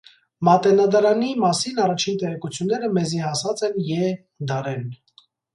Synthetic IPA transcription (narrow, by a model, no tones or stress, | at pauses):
mɑt̪ɛnɑd̪ɑɾɑnimɑsinɑrɑt͡ʃʰint̪ɛʁɛkut͡sʰjunːɛɾəmɛzihɑsɑt͡sɛnjɛ | d̪ɑɾɛn